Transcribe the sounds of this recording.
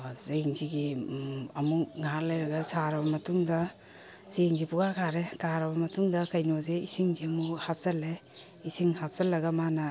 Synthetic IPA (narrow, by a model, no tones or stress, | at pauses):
zeŋziɡi | ɐmukŋaaɾ̚lɐjɾɐɡɐsaɾɐbɐmɐtuŋdɐ | zeŋzipuɡakʰaɾekaɾɐbɐmɐtuŋdɐkɐjnozeisiŋziɐmuhap̚sɐle | isiŋhap̚zɐlːɐɡɐmanɐ